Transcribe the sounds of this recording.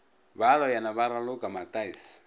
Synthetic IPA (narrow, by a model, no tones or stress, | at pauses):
βalɔjanaβaɾalʊkʼamatʼais